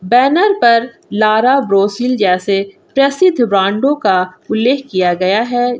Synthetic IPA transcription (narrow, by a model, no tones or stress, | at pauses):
bɛːnəɾpɐɾ | laːɾabɾoːsild͡ʒɛːse | pɾɐsɪd̪ʱbɾãːɳɖõkaʊlːeːɦkijaɡɐjaɦɛː